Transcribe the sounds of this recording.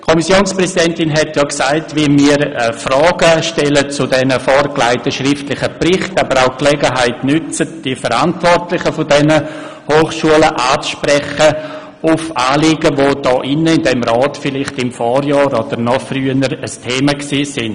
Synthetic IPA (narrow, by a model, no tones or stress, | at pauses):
kʰɔmisjoːnspɾɛsidɛntɪnɦɛtjɑksaɪtʋimiːəɾəfrɔːɡəʃtɛlət͡sʊdɛnəfɔɾkla̰ɪtəʃrɪftlɪχəprɪχtabəɾaʊklɛɡəɦaɪtnʏt͡sətd̥ifəɾantvɔrtlɪχəfʊdɛnə | hoːχʃuələʔaːt͡sʃpɾɛχə | ʊfaːlɪːɡəvʋoːd̥ɔːʔɪnəɪndɛmrɔːtfɪlɪχtɪmfɔːɾjɑːɾod̥əɾnɔfryənəɾəstʰeːməksiːsɪn